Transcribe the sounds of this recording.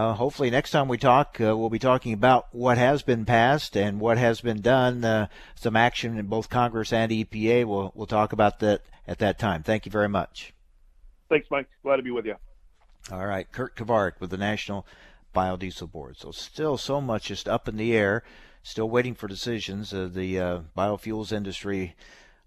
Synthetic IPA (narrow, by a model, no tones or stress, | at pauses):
ɦoʊpfl̩ˠinɛkstʰãɪ̃mwitʰɔkwilˠbitʰɔkɪ̃ŋɨbaʊt̚wʌt̚ɦɨzbɨ̃npʰæstɨ̃nwʌt̚ɦɨzbɨ̃ndʌ̃n | sʌ̃mækʃɨ̃ñboʊθkʰɑ̃ŋɡɹɨsɨ̃nipieɪwɪlˠwʔɪlˠtʰɔkəbaʊt̪̚ðɨɾɨt̪̚ðɨtʰãɪ̃mθæ̃ŋkjɨvɛɹimʌ̰t͡ʃ | θæ̃ŋksbæ̃kɡ̥læd̚tʰɨbiwɪðjɨ | ɔlˠɹaɪt̚kʰɜ˞t̚kʰɨvɑɹɨkwɨðɨnæʃnl̩ˠb̥aɪodisl̩ˠbɔ̰ɹd̥soʊstɪlˠsoʊmʌt͡ʃd̥ʒ̥ʌstʌpn̩ðiɛɹ | stɪlˠweɪɾɪ̃ŋfə˞dɨsɪʒɨ̃nzðɨb̥aɪofjulˠzɪ̃ndɨstɹ̥i